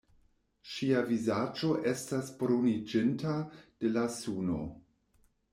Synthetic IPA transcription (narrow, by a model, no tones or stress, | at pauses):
ʃiavizad͡ʒo̞ʔe̞stasboɾonid͡ʒɪntad̥elasuno̰